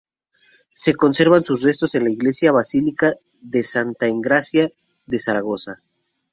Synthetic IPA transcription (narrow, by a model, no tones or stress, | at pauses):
se̞ko̞nseɾβansusre̞st̪o̞se̞nlaiɣle̞sjaβasilika | ðe̞sant̪aeŋɡɾasja | ðe̞saɾaɣo̞sa